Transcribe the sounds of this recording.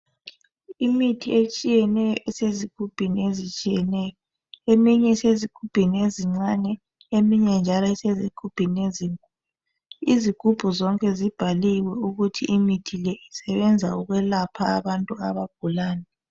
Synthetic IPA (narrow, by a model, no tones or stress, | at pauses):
imitʰiet͡ʃʼijɛnɛjɔʔɛseziɡ̥ʱub̥ʱiniezit͡ʃʼijɛnɛːjɔ | emiɲɛsezikʰub̥ʱinieziŋ͡ǀanɛ | emiɲɛnd͡ʒʱalɔɛsezikʰub̥ʱineziŋkʼu | iziɡ̥ʱub̥ʱuzɔŋkʼɛzib̥ʱaliwɛuɣutʰḭʔimitʰilɛisɛβɛnd͡zʱauɣwɛlapʰaːβantʼuaβaɡ̥ʱulaːnɛ